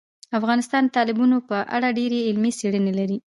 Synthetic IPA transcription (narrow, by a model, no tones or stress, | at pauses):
afɣɑnɪst̪ɑnt̪ɑlɪbunopəʔa̰ɽaɖeɾeɪlmiseɽənelaɾi